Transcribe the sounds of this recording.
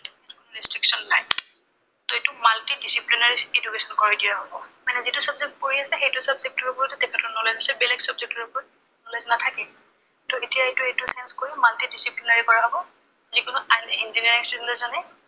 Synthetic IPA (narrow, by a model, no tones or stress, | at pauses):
tukunuɹistɹiksɔnːaj | tɔetʊmaltidisiplinaɹiedukesɔnkɔɹidijaɦɔbɔmanɛzitʊsɔbzek̚t̚koɹiasɛxejtʊsɔbzek̚tɔɹɔbɔɹtɛtɛkʰɛtʰɔnɔlɔjzasɛbɛlɛksɔbzek̚tɔɹɔpɔɹ | nɔlɔjsnatʰakɛ | tɔetijaetʊejtʊsɛnskoɹimaltidisiplinaɹikɔɹaɦɔbɔ | zikʊnuinziniaɹiŋstuɛntɔzanɛ